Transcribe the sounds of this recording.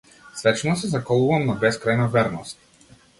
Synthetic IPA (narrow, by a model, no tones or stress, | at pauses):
svɛt͡ʃnɔsɛzakɔlˠuvamnabɛskɾajnavɛɾnɔst̪̚